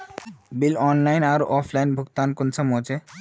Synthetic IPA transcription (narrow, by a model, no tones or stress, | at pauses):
bilɔnlajnaɾʔɔpʰlajnbʱuɡt̪ankonsamot͡ɕʰe